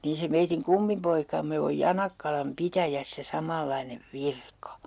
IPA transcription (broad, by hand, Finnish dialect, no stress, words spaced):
niːn̞ se meitiŋ kumːipoikɑmːe oj jɑnɑkːɑlɑm pitæjæsːæ sɑmɑlːɑineʋ ʋirkɑ